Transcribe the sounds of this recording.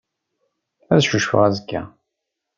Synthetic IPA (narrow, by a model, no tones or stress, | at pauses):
æðʃuʃfʊ̰ʁæzəkːæ̰